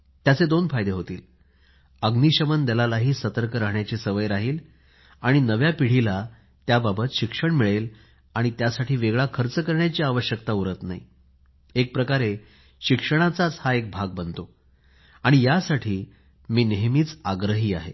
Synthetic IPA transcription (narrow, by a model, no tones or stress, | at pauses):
t̪jat͡sed̪onfajd̪eɦot̪ḭːl | əɡniɕəmənd̪elalaɦiːsət̪əɾkəɾaɦɳjat͡ɕiːsəʋəjɾaɦiːl | aɽ̃inəʋjapiɽ̤ila | t̪jababət̪ɕikʂəɳmiɭel | aɽ̃it̪jasaʈʰiːʋeɡɭakʰəɾt͡səkəɾɳjat͡ɕiːaʋəɕjəkt̪auɾət̪naḭ | ek̚pɾəkaɾe | ɕikʂəɽ̃at͡sat͡shaek̚bʱaɡ̚bənt̪o | aɽ̃ijasaʈʰiː | miːneɦmiːt͡saɡɾəɦiːaɦe